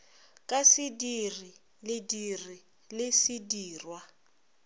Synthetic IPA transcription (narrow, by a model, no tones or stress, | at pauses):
kʼasɪdiri | lɪdiri | lɪsɪdiːrwa